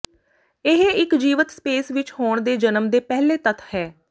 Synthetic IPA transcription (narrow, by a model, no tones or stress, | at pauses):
ɪɦeɪkd͡ʒiːʋət̪speːsʋɪt͡ʃhoːɳd̪eːd͡ʒənəmd̪eːpɛɦleːt̪ət̪ʰhɛː